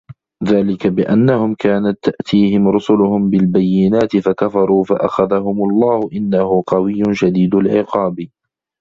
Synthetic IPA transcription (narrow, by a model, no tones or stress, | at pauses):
ðaːlɪkabɪʔanːahʊmkaːnat̪ːaʔt̪ʰiːhɪmɾʊsʊlʊhʊmbɪlbajːɪnaːt̪ɪfakafɑɾˤuːfaʔa̰xaðaɦʊmʊlˤːɑːhʊʔɪnːahʊqɑwɪjːʊnʃad̪iːd̪alʕɪqɑːbi